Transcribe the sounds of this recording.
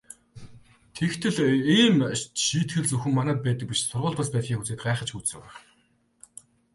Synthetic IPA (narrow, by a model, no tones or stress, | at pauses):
t̪ʰekt̪ʰɘ̆ɮiːmʃiːt̪xɘ̆ɮt͡suxɘ̆mːanæːt̪̚pæːt̪ə̆k̚piʃsʊrʁʊːɮt̪păspæːt̪xʲiːŋxut͡seːt̪̚ɢaːχə̆t͡ɕxut͡ssɘ̆ŋæ